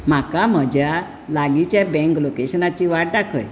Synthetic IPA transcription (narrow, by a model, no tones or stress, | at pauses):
m̤akaməd͡ʑja | laɡit͡ɕjabɛ̃ŋklokeɕənat͡ɕiʋaʈ̚ɖakʰə̰j